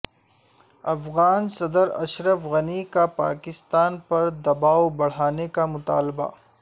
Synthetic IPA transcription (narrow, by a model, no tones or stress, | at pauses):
ɐfɣaːnsɐd̪əɾɐ̰ʃɾəfɣɐnikapa̰ːkɪst̪aːnpɐɾd̪ɐbaːwbɐɽ̤aːnekamʊt̪a̰ːlba̰